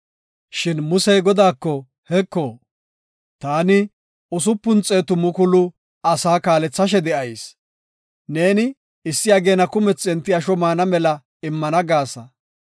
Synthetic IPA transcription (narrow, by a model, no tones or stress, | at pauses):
ʃɪnmʊsɛjɡɔd̪aːkːɔ | hɛkːoː | t̪aːnɪ | ʊs̬ʊpːʊnt͡sʼːe̞ːt̪ʊmʊkʊlʊ | ɐsaːkaːlɛt͡sːɐʃ̬ɛd̪ɛʔɐjs | ne̞ːnɪ | ɪsːɪjɐɡe̞ːnɐkʊmɛt͡sːɛnt̪ːɪɐʃɔmaːnɐmɛlɐ | ɪmːɐnɐɡaːsɐ